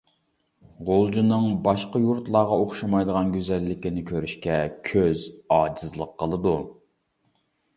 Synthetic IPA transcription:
ʁolˠd͡ʒunɨŋbɑʃqɑjuɾt̪lˠɑːʁɑoχʃɑmɑjd̪əʁɑnɡʲyzɛlːɪkʲinɪkʲʰøɾyʃkʲɛkʲʰøzɑːd͡ʒizlˠəqʰːəlˠɨd̪u

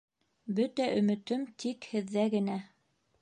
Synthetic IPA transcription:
bɵt̪æʔɵ̆mɘ̆t̪ɵmt̪ʰikhɘ̆ðːæɡɘ̆næ

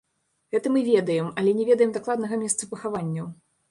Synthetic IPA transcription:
ɣɛt̪ɐmɨvʲɛd̪ɐjɛmɐlʲɛnʲɛvʲɛd̪ɐjɛmd̪aklˠad̪nɐɣɐmʲɛst̪sɐpɐxavanʲːɐw

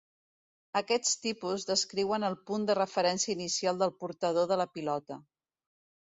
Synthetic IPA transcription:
əkɛst̪ipuzðəskɾiwənəlˠpund̪ərəfəɾɛnsiəinisialˠd̪əlˠpuɾt̪əð̞oðələpilɔt̪ə

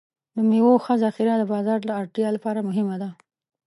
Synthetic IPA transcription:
d̪əmewoxəzaxɪɾad̪əbɑzɑɾlaːɾʈjɑlapɑɾamʊɦɪmad̪a

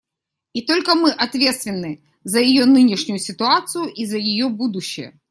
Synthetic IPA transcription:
it̪o̞lʲkəmɨʔɐt̪vʲet̪st̪vʲɪnːɨ | zəjɪjonɨnʲɪʂnʲʊjʊsʲɪt̪ʊat̪sɨjʊʔizəjɪjobud̪ʊɕːɪ̰jə̰

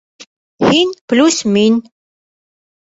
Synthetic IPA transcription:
hinplusmin

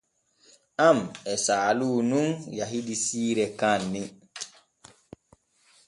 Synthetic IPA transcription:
ʔamɛsaːluːnunjaɦidisiːɾɛkanːi

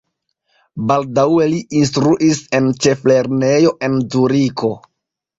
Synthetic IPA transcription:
baldawe̞liʔinstɾuʔise̞nt͡ʃe̞fle̞ɾne̞jo̞ʔe̞nzuɾiko̞

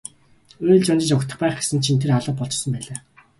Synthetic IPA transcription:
uːɮt͡ɕʊnt͡ɕɪ̆t͡ɕʊkt̪ʰə̆χpæːχɡe̥sə̆nt͡ɕʰint̪ʰeraɮə̆p̚pɔɬt͡ɕsə̆mpæːɮaː

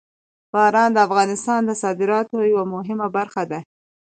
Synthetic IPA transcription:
b̥ɑɾɑnd̪əafɣɑnɪst̪ɑnd̪əsɑd̪ɪɾɑt̪ojawamʊɦɪmabaɾxad̪a

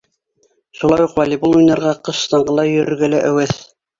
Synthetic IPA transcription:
ʃulˠɑjuqwælʲibulˠujnɑɾʁɑqɤ̆ʃst̪ɑɴɢɤ̆lˠɑjɵ̆ɾɘ̆ɾɡælæʔæwɘθ

